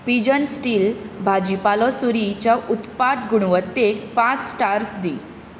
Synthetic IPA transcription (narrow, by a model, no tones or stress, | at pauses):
pid͡ʑənsʈiːlbʱad͡ʑipalɔsuɾit͡ɕɔʔut̪pat̪ɡuɽ̃ʋət̪ːekpãt͡sːʈaɾsd̪i